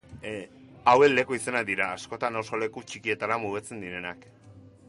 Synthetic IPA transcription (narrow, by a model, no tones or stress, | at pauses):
awe̞le̞kuise̞nad̪iɾaːsko̞t̪anawso̞le̞kut͡ʃikie̞t̪aɾamuɣet͡se̞nd̪iɾe̞nak